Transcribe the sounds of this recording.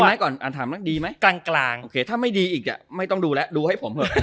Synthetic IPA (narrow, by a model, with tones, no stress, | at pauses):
ma˦˥jkɔː˨˩nʔaː˨˩t̪ʰaː˩˦mnaː˥˩ŋ̚diː˧ma˦˥jklaː˧ŋklaː˧ŋʔoː˧kʰeː˧t̪ʰaː˥˩ma˥˩jdiː˧ʔiː˨˩k̚nɛ̰˨˩ma˥˩jt̪ɔ˥˩ŋduː˧lɛ˦˥ʔduː˧ha˥˩jpʰo˩˦mhʰɤ˧˦˩